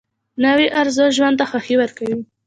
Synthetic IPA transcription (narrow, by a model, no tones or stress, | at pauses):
nawiʔaɾzəʒwand̪axaxiwəɾkawi